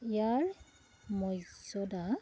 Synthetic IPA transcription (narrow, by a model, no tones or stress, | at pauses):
ijaɹ | mɔjsɔda